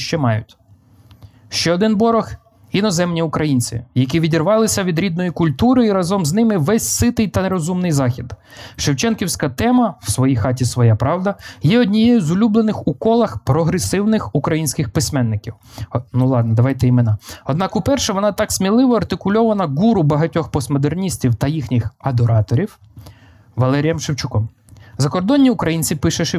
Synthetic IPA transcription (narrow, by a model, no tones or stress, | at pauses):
ʃt͡ʃɛmɑjʊ̰tʲ | ʃt͡ʃɛɔd̪ɪnbɔɾɔx | inɔzɛmnʲiʊkɾɐjinʲt͡sʲḭjɐk̬ʲiʋʲidʲirʋɑlˠɪsʲɐʋʲid̪ɾʲid̪nɔjikʊlʲt̪uɾɪiɾɐzɔmznɪmɪʋɛsʲsɪt̪ɪjt̪ɐɾɔzumnɪjzɑxʲid̪ | ʃɪwt͡ʃɛnkʲiwsʲkɐt̪ɛmɐw̥sʋɔjijxɑt̬ʲisʋɔjapɾɑwd̪ɐjɛɔdʲnʲijɛjʊzʊlʲublˠenɪxukɔlˠɐxpɾɔɦɾesɪwnɪxukɾɐjinʲsʲkɪxpɪsʲmɛnːɪkʲiwnulˠɑd̪nɐd̪ɐʋɑjt̪ɛimenɑɔd̪nɑkʊpɛrʃɛʋɔnɑt̪ɑksʲmʲilˠɪʋɔɐrt̪ɪkʊlʲɔʋɐnɐɡuɾʊbɐɦɐtʲɔxpɔsmɔd̪ernʲisʲtʲiwt̪ɐjixnʲixɐd̪ɔɾɑt̪ɔɾʲiw | ʋɐlˠɛɾʲijɛmʃɪwt͡ʃʊkɔm | zɐkɔrd̪ɔnʲːiʊkɾɐjinʲt͡sʲipɪʃɛʃ